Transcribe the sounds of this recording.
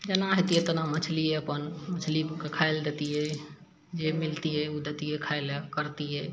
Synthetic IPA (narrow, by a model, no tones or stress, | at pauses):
d͡ʒenaɦet̪iet̪ənamət͡ʃʰliɛəpənmət͡ʃʰlikekʰaeld̪et̪iɦɛ | d͡ʒemilt̪iɦɛud̪et̪iɛkʰaelkəɾt̪iɦɛ